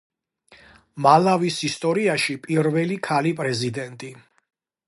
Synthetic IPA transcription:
malavisist̪ʼɔɾiaʃipʼiɾvɛlikʰalipʼɾɛzid̪ɛnt̪ʼi

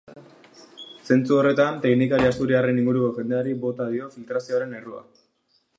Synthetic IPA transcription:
se̞nt͡suo̞re̞t̪ant̪e̞knikaɾiast̪uɾiare̞niŋɡuɾukoʝe̞nd̪eaɾiβo̞t̪aðio̞filt̪ɾasioaɾe̞ne̞rua̰

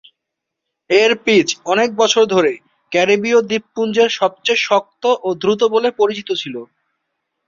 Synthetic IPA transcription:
eɾpit͡ɕɔnek̚bɔt͡ɕʰoɾd̪ʱoɾe | kɛɾibiod̪ipːund͡ʑeɾʃɔb̚t͡ɕejʃɔk̚t̪oʔod̪ɾut̪̬obolepoɾit͡ɕit̪ot͡ɕʰilo

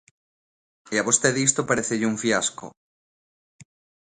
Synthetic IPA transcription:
iaβost̪eðist̪opaɾeθeʎuɱfjasko̰

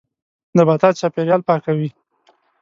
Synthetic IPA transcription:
d̪əbat̪ɑt͡ʃɑpeɾjɑlpɑkawi

